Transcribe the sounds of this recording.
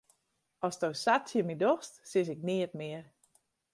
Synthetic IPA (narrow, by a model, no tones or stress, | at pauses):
ɔsdowsatjəmidɔxstsɪs̬ɪkniətmɪər